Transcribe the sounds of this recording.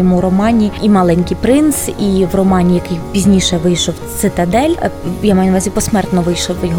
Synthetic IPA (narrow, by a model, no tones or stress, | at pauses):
ɔmuɾɔmɑnʲiimɑlˠɛnʲkɪjpɾɪnsiʋrɔmɑnʲijɐkɪjpʲizʲnʲiʃɛʋɪjʃɔwt͡s̪ɪt̪ɐd̪ɛlʲjamɑjʊnɐʋɑzʲipɔsmɛrt̪nɔʋɪjʃɔwjɔɦ